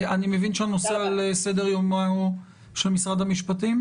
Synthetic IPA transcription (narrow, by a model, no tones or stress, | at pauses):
animevinʃeano̞sealese̞d̪eʁjoma | ʃelmisʁad̪amiʃpatim